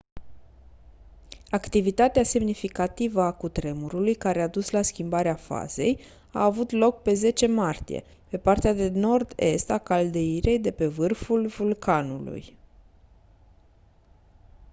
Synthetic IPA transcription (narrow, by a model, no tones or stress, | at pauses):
akt̪ivit̪at̪ease̞mnifikat̪ivəakut̪ɾe̞muɾulujkaɾead̪uslaskʲimbaɾeafa̰z̥e̞̰j | a̰ːvut̪lo̞k̚pe̞ze̞t͡ʃe̞mart̪ḭjḛ | pe̞part̪ead̪e̞no̞rd̪e̞̰st̪akald̪e̞iɾe̞jd̪e̞pe̞vɨrfulvulkʰanṵlṵj